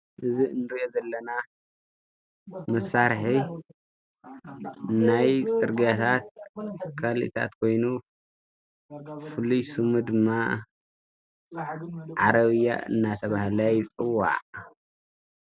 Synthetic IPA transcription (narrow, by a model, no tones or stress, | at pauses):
ʔɨziɨnːɨɾiʔozɐlːɐna | mɐsːaɾħi | najsʼɨɾɡat̪ʰat̪̚kʰalḭt̪ʰa̰t̪kʰo̞jnu | fɨlujsɨmud̪ɨmːa | ʕaɾɐβɨja̰ɨ̰nːat̪ʰɐβahlajt͡sʼɨwːa̰ʕ